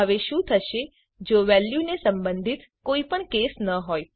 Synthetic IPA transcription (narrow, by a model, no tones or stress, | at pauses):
əʋeʃũt̪ʰəʃe | d͡ʒoʋɛljunesəmbənd̪ʱit̪ | koipəɳkesnəɦoj